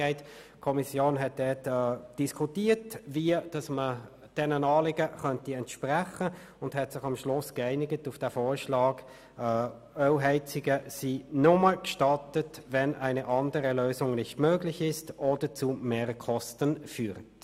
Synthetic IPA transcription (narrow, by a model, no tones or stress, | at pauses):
ɛɪt | kʰɔmisjoːnɦɛt̚d̥ɛːtɛd̥iskʰutiːətviəd̥ɑsmə | d̥ɛnənɑːlɪɡəχœntiɛntʃpræχə | ʊndhɛtsɪχɑmʃlʊsɡ̥ɛɪnɪɡətʊfd̥ɛːfoːɾʃlɑːɡ | œwɦɛɪt͡sɪɡəsiːnʊməkʃtɑtətvɛnʔæɪnəʔɑndəɾəløːsʊŋnɪçtmøːɡlɪçɪstʔoːd̥ət͡sumeːʁkʰɔstənfyːʁət